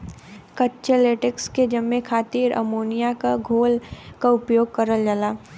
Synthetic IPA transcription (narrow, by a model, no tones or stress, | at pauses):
kətːʃeleːʈəksked͡ʒɐmːekʰaːt̪iːɾʔə̰moːnijakaɡʱoːlkaʊpjoːɡ̚kɐɾəld͡ʒalaː